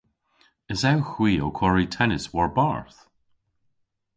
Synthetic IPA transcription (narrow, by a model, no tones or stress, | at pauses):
ɪzawxw̥iːokʰwɔɹitʰɛnɪswɔɹbaɹθ